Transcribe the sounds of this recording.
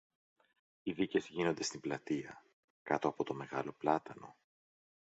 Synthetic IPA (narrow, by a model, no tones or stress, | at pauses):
iðice̞zʝino̞nd̪e̞st̪imblɐt̪iɐ | kɐt̪o̞ɐpo̞t̪o̞me̞ɣɐlo̞plɐt̪ɐno̞